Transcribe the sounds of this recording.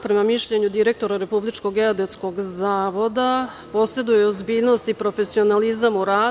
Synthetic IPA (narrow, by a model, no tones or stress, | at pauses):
pɾe̞mamiʃʎe̞ɲud̪iɾe̞k̚t̪o̞ɾaɾe̞publit͡ʃko̞ɡeod̪et̪sko̞ɡzaːʋo̞d̪a | po̞se̞d̪ujeozbiːʎno̞st̪ipɾo̞fe̞sio̞nalizamuɾaː